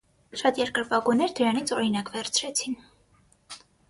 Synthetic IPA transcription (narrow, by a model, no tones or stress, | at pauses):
ʃɑt̪jɛɾkəɾvɑɡunɛɾd̪əɾɑnit͡sʰɔɾinɑkvɛɾt͡sʰɾɛt͡sʰin